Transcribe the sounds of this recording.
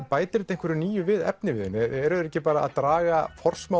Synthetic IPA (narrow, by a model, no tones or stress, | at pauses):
paːjt̪ɪɾt̪eŋkvɛɾɪniːjʏvɪðɛ̰p̚nɪvɪðɪnɪɛɾðɾɛhcɪpaːɾa̰ːðt̪ɾaːɣafɔr̥sma